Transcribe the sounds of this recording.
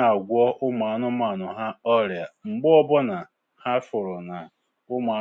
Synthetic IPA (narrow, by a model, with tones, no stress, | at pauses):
a˨ɡʷɔ˦ʔʊ˦ma˨˦nʊ˦ma˨nʊ˨ɦa˦ɔ˦ɾja˨ŋ͡m̩˨ɡ͡bʊ˦ɔ˦bɔ˦na˨ | ha˦fʊ˨ɾʊ˨na˨ | ʊ˦ma˨˦